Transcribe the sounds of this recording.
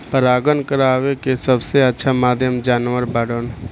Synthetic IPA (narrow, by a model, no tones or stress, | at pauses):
pəɾaːɡənkəɾaːʋekesəbseɐtːʃʰamaːd̪ʱjəmd͡ʒaːnʋəɾbaːɽon